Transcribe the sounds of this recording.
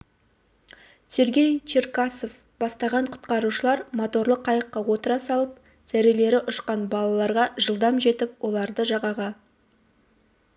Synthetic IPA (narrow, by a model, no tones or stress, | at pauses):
se̞ɾɡʲe̞jt͡ʃeɾkaso̞f | b̥ɑst̪ɑʁɑɴqʰʊ̥t̪qɑɾuʃəlˠɑɾmo̞t̪o̞ɾlˠəqʰːɑjəqːɑwo̞t̪əɾɑsɑlˠəp̚ | z̥æɾele̞ɾɪʔʊʃqɑnbɑlˠɑlˠɑɾʁɑʒəlˠd̪ɑmʒe̞t̪ɪp̚wo̞lˠɑɾd̪əʒɑʁɑʁɑ